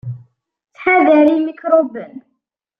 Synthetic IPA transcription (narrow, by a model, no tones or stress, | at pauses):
t͡sːħaðæɾimikɾobən